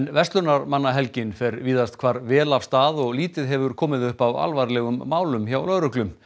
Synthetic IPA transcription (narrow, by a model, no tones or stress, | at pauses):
nvɛst̪lʏnaɾmanːaɦɛlcɪnfɛɾviːðast̪kʰvaːɾvɛːlafst̪aːðɔɣliːt̪ɪðɦɛvʏɾkʰɔːmɪðʏhpava̰lvaɾlɛɣʏmːaːwlʏmçawlœðɾʏhklʏm